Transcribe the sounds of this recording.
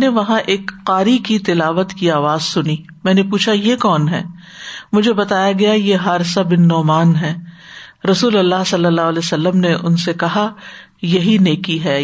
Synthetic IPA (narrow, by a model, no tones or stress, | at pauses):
neʋɐɦãʔeːkqaːɾikit̪ɪlaːʋət̪kiaːʋaːzsʊni | mɛ̃ːnepuːt͡ʃʰajekɔːnɦɛː | mʊd͡ʒʱebɐt̪aːjaɡɐjajeɦaːɾsabɪnːɔːmaːnɦɛːɾɐsuːlɐlːaːɦsɐlːəlːaːlesɐlːəmneʔʊ̰nsekɐɦa | jɐɦineːkiɦɛː